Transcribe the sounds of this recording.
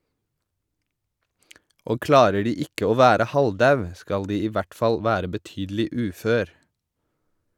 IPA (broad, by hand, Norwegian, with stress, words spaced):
ˈoː ˈklɑːɾə ˈɖiː ˈɪkə ˈoː ˈʋæːɾə ˈhɑlˌdɑʉ ˈskɑl ˈdiː ˈiː ˈʋæʈ ˈfɑl ˈʋæːɾə bəˈtyːdl̩ɪ ˈʉːˌføːɾ